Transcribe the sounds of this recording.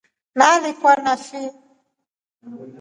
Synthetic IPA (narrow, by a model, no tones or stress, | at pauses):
nalikwanaʃi